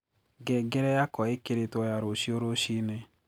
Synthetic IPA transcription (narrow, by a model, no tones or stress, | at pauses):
ɡɛɡɛɾɛjakɔekɪɾɪtɔjaɾoʃioɾoʃine